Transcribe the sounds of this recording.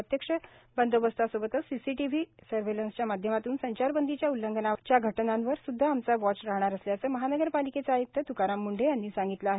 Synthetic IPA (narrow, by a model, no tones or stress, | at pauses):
ət̪jəkʂəbənd̪obəst̪asobət̪əsisiʈiʋ̤isəɾʋelənst͡ɕjamad̪ʱjəmat̪uːnsəɲt͡ɕaɾbənd̪ʱit͡ɕjaulːəŋɡənat͡ɕjaɡʱəʈnãnʋəɾsud̪ʱːaːmt͡saʋɔt͡ɕɾaɦɽ̃aɾəsljaəsəːməɦanəɡəɾpaliket͡saajək̚t̪ʰːət̪ukaɾamːuɳɖʱejanːiːsãŋɡit̪laːɦe